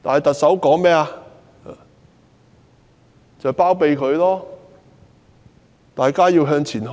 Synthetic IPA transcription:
t̪a̰ː˨nhɐ˨jt̪ɐ˨k̚sɐ˨˥wkɔː˨˥ŋmɛː˥aː˧˨ | t͡sɐ˨˩wpaː˥wpe˨˧jkʰɵ˨˧ɥlɔː˥ | t̪aː˨jkaː˥jiː˧wɦœː˧ŋt͡sʰiː˨˩nɦ

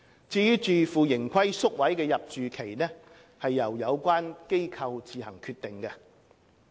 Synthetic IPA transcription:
t͡siː˨˥t͡ʃyː˨˩fuː˨jɪ˨˩ŋkʰɐ˥jsʊ˥k̚wɐ˨˥jkɛː˧jɐ˨p̚t͡ʃyː˨kʰe˨˩jnɛ˥ | hɐ˨jːɐ˨˩wjɐ˨˧wkʷaː˥nke˥jkʰɐ˧wt͡siː˨˧hɐ̰˨˩ŋkʰyː˧t̪ɪ˨˩ŋkɛ˧

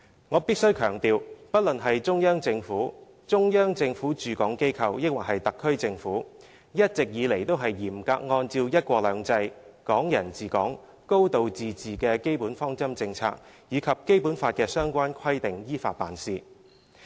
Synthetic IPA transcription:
ŋɔː˨˧piː˥t̚sɵ˥ɥkʰœː˨˩ŋt̪iː˨wpɐ˥t̚lɵ˨˩nɦɐ˨jt͡ʃʊ˥ŋjœː˥ŋt͡sɪ˧ŋfuː˨˥ | t͡ʃʊ˥ŋjœː˥ŋt͡sɪ˧ŋfuː˨˥t͡ʃyː˨kɔː˨˥ŋke˥jkʰɐ˧wjɪ˥k̚wa˨khɐ˨jt̪ɐ˨kʰːɵ˥ɥt͡sɪ˧ŋfuː˨˥ | jɐ˥t̚t͡sɪ˨k̚jiː˨˧le˨˩jt̪o˥wɦɐ˨jjiː˨˩mka̰ː˧k̚ŋɔː˧nt͡siː˧wjɐ˥t̚kʷɔː˧k̚lœː˨˧ŋt͡sɐ˧j | kɔː˨˥ŋjɐ˨˩nt͡siː˨˩kɔː˨˥ŋ | ko˥wt̪o˨wt͡siː˨t͡siː˨kɛː˧ke˥jpuː˨˥nfɔː˥ŋt͡sɐ˥mt͡sɪ˧ŋt͡sʰa̰ː˧k̚jiː˨˧kʰɐ˨p̚ke˥jpuː˨˥nfaː˧t̚kɛː˧sœː˥ŋkʷaː˥nkʰɐ˥jt̪ɪ˨ŋjiː˥faː˧t̚pa̰ː˨nsiː˧

